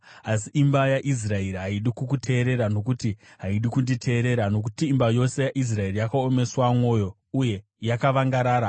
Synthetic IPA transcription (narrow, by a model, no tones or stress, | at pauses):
asiʔimbajaʔis̬raeɾiɦaiɗikukutʰe̞ːɾe̞ɾano̞kutiɦaiɗikunditʰe̞ːɾe̞ɾano̞k̬utiːmbajo̞se̞jaʔis̬raerijakaome̞swamwo̞jo̞ | uje̞ | jakaʋaŋɡaɾaːɾa